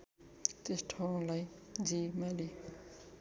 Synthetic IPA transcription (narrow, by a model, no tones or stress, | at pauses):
t̪esʈʰaw̃lajd͡zimali